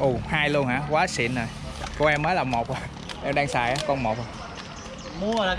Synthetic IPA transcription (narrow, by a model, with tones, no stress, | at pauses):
ʔʊ˨˩haː˧jlu˧ənhaː˧˥kwaː˨˦sḭ˧˨ənzo˨˩jko˧wʔɛ˧mːəː˨˦jlaː˨˩mo˨˩t̚ʔa˨˩j | ʔɛ˧mɗaː˧ŋsaː˨˩jʔaː˨˦kɔ˧nmo˨˩t̚o˨˩ | mu˧ə˨